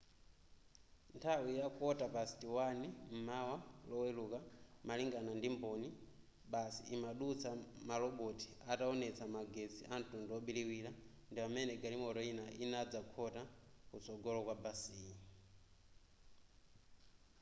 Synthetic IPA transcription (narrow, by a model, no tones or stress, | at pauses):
ntʰawijakɔtapasi̥tiwanim̩mawalɔwɛlukamaliŋɡanandimbɔni | ɓasḭimaɗut͡sʰamalɔɓɔtʰi̥ataɔnɛt͡sʰamaɡɛt͡sʰiʔantunduɔɓiliwila | ndipamɛnɛɡaɾimɔtɔinainad͡zakʰɔtakut͡sɔɡɔlɔkwabasii